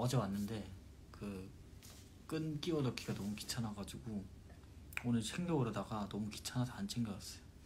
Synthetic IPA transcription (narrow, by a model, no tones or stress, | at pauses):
ʌd͡ʑewanːɯnde̞ | kɯ | k͈ɯnk͈iʌdʌkʰiɡanʌmuki̥t͡ɕʰanaɡad͡ʑiɡo | onɯɭsʰeŋɡjʌɯɾʌdaɡanʌmuki̥t͡ɕʰanasʰaant͡ɕʰeŋɡjʌɡas͈ʌjo